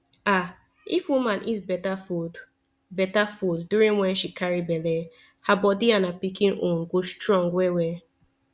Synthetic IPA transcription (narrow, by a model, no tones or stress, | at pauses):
a | ifwumãnʔizbɛtafud | bɛtafudːuɾĩŋwɛnʃikaɹibɛle | habɔdianapikĩnõnɡostɹɔ̃ŋɡwewe